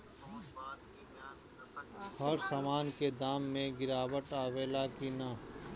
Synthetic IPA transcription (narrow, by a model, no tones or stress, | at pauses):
hɔɾsaːmaːnked̪aːmːẽɡɪɾaːwəʈaːweːlakinaː